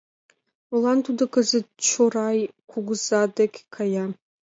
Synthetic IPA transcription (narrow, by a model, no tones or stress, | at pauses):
ulantʰudakʰʼɨzɨdt͡ʃʰorajkʷʰuɡʷzadakʲkʰaja